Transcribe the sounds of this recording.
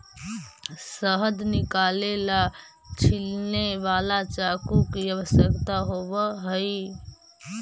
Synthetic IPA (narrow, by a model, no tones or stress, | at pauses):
səɦəd̪nɪkalela | t͡ʃʰilneʋalat͡ʃakukiəʋəsjəkt̪aɦobəɦəi